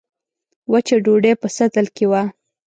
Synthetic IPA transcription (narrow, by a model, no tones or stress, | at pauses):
wat͡ʃeɖoɖepəsat̪əlkewa